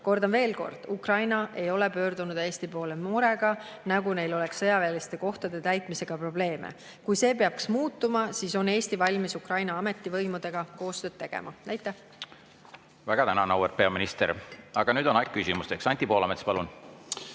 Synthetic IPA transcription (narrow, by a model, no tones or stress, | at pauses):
ko̞rd̪ɑnve̞ːlko̞̰rd̪̥ukrɑjnɑʔe̞jo̞lepø̞ːrd̪unud̪̥eːst̪ipo̞ːlemuɾe̞ɡ̥ɑnɑɡune̞jlo̞le̞ksːɤjɑveːlist̪e̞ko̞ht̪ɑd̪e̞t̪æjt̪ˑmise̞ɡ̥ɑpro̞ble̞ːmḛ | kujse̞ːpeɑb̚ksmuːt̪ːˑumɑsiso̞ne̞ːst̪ivɑlʲmisukrɑjnɑɑme̞t̪ˑːivɤjmud̪̥e̞ɡ̥ɑko̞ːst̪ø̞ːd̥̪̚t̪e̞ɡ̥ḛmʔɑnæjt̪ːˑeh | væɡ̥ɑt̪ænɑnɑweɾ̚pe̞ɑminist̪eɾɑɡ̥ɑnyːd̪o̞nɑjk̚kːysimust̪eksɑnʲt̪ʲːipo̞ːlɑmet̪ːˑspɑlun